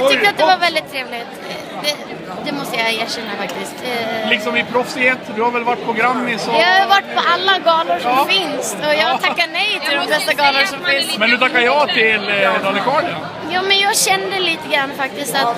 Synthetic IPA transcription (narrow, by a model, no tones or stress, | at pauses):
ʏkkt̪əat̪̚d̪ɛvaɾvɛld̪ɪt̪ʰːɾeːvlɪt̪ | d̪ɛ | d̪ɛmɔst̪əjajeːʂɛnːafakt̪ɪskt̪lɪksɔmɪpʰɾɔfsɪheːt̪d̪ɵhaɾvɛlvaʈːpʰɔɡɾamːɪsɔjɑːhajʉvaʈːpʰɔʔalːaɡɑːlʊɾʂɔfɪnsɔjɑːt̪ʰakːanɛjt̪ʰɪld̪ɔmfɛst̪aɡɑːləʂɔmfmɛnːʉt̪ʰakːajɑt̪ʰɪld̪alɪkɑːɖɪa | jɑːmɛnjɑːɡɕɛnːəd̪əliːt̪əɡɾanːfak̚t̪ɪst̪at̪